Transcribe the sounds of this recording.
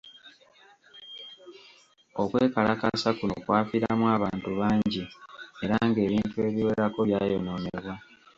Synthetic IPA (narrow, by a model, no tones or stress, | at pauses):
o̞kweːkalakasakunokwaːfiɾamwaːβaːntuβaːɲɟie̞ɾaŋɡe̞ːβiːntue̞ːβiwe̞ɾako̞βjaːjo̞no̞neβwa